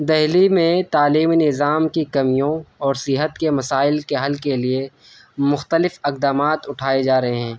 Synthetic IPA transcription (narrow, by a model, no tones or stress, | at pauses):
d̪ɛɦlimẽt̪aːliːmnɪzaːmkikɐmijõɔːɾsɪɦət̪kemɐsaːɪlkeɦɐlkelie | mʊxt̪əlɪfɐq̚d̪aːmaːt̪ʊʈʰaːed͡ʒaːɾɐɦeɦɛ̃ː